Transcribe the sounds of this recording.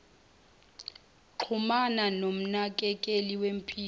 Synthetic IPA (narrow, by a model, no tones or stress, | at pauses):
ǃʰumananom̩nak̬ʼɛkʼeliwem̩pʰiː